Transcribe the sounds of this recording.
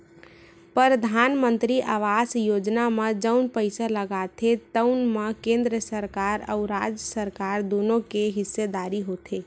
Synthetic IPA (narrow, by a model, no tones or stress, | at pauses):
pəɾəd̪ʱanmə̃nt̪ɾiʔaʋasjoːd͡ʒnamed͡ʒəʊnpəɪsaləɡat̪ʰet̪əʊnmekẽnd̪ɾəsəɾkaːɾə̰ʊɾad͡ʒjəsəɾkaːɾd̪onõkeɦɪsːed̪aːɾiɦot̪ʰe